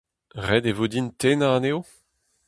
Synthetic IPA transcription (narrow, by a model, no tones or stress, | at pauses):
ʁɛd̪evod̪intʰenaneo